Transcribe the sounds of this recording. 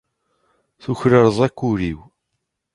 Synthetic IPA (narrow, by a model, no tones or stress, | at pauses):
θuçɾəɾðˤækʷːuɾiw